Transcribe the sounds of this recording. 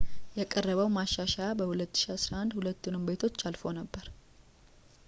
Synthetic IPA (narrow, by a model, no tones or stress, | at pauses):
jɛkʼərːəβəwmaʃːaʃabəhulət̪ːɨ̥ʃiasɾahand̪hulət̪ːunɨmbe̞t̪ʰo̞t͡ʃːalfo̞nəbːəɾ